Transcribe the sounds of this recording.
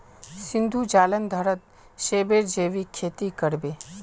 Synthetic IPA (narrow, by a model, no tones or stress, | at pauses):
sɪnd̪ʱud͡ʒaːlənd̪ʱəɾət̪̚ | ʃeːbeɾd͡ʒeːʋikʰet̪ikəɾbe